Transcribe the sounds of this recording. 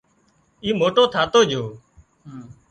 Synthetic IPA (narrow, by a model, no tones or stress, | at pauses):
iːmoːʈoːt̪ʰaːt̪oːd͡ʒoː